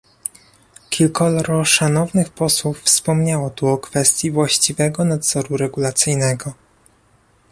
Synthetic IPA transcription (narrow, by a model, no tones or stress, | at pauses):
kʲilkɔlɾɔʂanɔvnɘxpɔswufːspɔmɲawɔt̪uɔkfɛst̪ʲjivwaɕt͡ɕivɛɡɔnad̪z̥ɔɾuɾɛɡulat̪sɘjnɛɡɔ